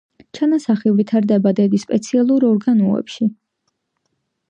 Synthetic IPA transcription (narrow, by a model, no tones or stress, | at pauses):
t͡ʃʰanasaχivit̪ʰaɾd̪ɛbad̪ɛd̪ispʼɛt̪sʰialˠuɾɔɾɡanɔɛ̰pʃi